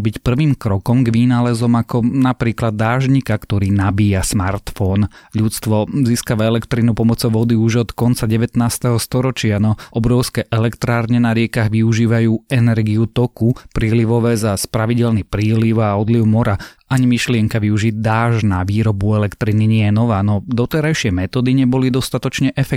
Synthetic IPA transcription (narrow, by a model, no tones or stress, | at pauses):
bicpr̩ʋiːmkɾɔkɔmɡʋinaːlɛzɔmakɔnapɾiːklad̪ːaːʒɲikakt̪ɔɾiːnabiːjasmaɾt̪fɔnʎutt͡st̪ʋɔziːskaʋaɛlɛkt̪ɾinupɔmɔt͡sɔʊʋɔd̪iuʒɔt̪kɔnt͡saɟɛʋɛt̪naːst̪ɛɦɔst̪ɔɾɔt͡ʃɪanɔʔɔbɾɔʊskɛʔɛlɛkt̪ɾaːɾɲɛnaɾɪɛkaɣʋiuʒiːʋajuːɛnɛɾɡiut̪ɔkupɾiːliʋɔʋɛːzaspɾaʋiɟɛlnipɾiːliʊaɔd̪liʊmɔɾaʔaɲimiʃlɪɛŋkaʋiuʒid̪aːʒnaʋiːɾɔbuɛlɛkt̪ɾiniɲɛjɛnɔʋaːnɔd̪ɔt̪ɛɾajʃɪɛmɛt̪ɔːd̪iɲɛbɔlid̪ɔst̪at̪ɔt͡ʃɲɛʔɛfɛ